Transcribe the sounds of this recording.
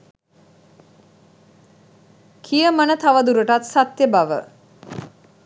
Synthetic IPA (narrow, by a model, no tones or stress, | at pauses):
kʰijəmənət̪aʋəd̪uɾəʈat̪sat̪jəbaʋə̰